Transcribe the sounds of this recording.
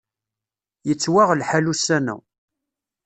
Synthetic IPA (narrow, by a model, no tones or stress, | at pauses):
jət͡sːwaʁlħælusːænæ̰